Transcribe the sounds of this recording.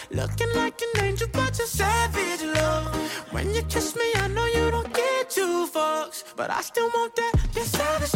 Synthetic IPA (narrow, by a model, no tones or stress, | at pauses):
lʊ̰kɪ̃ŋlaɪkɨnẽɪ̃nd͡ʒəbɑt͡ʃəssɛvɪɾlowɨ̰̃njɨkʰɪsmiaɪnoʊjɨɾõʊ̃nɡ̥ɛtʰufoksb̥ʌ̰ɾa̰ɪstɪlˠwõʊ̃nt̪̚ðɨtðɨsɛvɨ